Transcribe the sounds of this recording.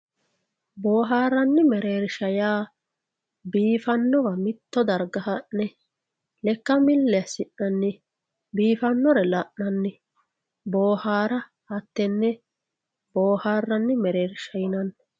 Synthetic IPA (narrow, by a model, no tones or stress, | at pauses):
boːɦaːrːɐnːɪmɛɾeːɾʃɐjaː | biːfɐnːɔʋɐmɪt̪ːɔd̪ɐɾɡɐhɐʔnɛ | lɛkːɐmɪlːɛɐsɪʔːɐnːɪ | biːfɐnːɔɾɛlɐʔnɐnːɪ | boːhaːɾɐ | hɐt̪ːɛnːɛ | boːhaːrːɐnːɪmɛɾeːɾʃɐjɪnɐnː